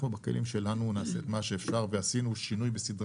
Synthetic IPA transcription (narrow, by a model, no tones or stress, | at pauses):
mubake̞̰lʔimʃe̞lanunaːset̪maʃe̞ːfʃaʁveasinuʃinujbesid̪ʁ